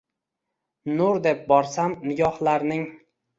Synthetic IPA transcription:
nʊɾd̪ep̚bɒɾsamnɪɡʲɒhlaɾnɪŋ

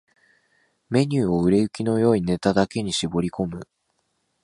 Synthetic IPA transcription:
me̞ɲ̟ʲɨːo̞ɯ̟ɾe̞ɯ̟kʲino̞jo̞ːine̞t̪ad̪ake̞ɲ̟iɕibo̞ɾʲiko̞mɯ̟

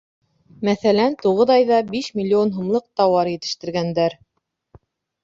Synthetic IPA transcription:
mæθælænt̪uʁɤðɑjðɑbiʃmʲilʲːionɦumlˠɤq̚t̪ɑwɑɾjɘ̆t̪ɘ̥̆ʃt̪ɘ̆ɾɡænd̪æɾ

